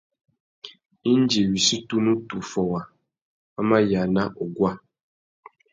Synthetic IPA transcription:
i˦n˦d͡ʒe˨ɥi˨si˦tu˦nũ˦tu˨fɔ˨wa˨ | a˦mã˦ja˨nã˦ʔɔ˨ɡwa˦

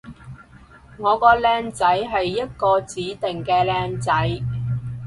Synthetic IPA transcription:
ŋɔː˨˧kɔː˧lɛː˧ŋt͡sɐ˨˥jɦɐ˨jːɐ˥t̚kɔː˧t͡siː˨˥t̪ɪ˨ŋkɛː˧lɛː˧ŋt͡sɐ˨˥j

